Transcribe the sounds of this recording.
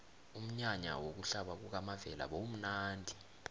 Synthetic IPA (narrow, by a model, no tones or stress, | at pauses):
um̩ɲaɲa̰wok̬uɬaɓak̬uk̬amavɛla̰ɓom̩naːndʱi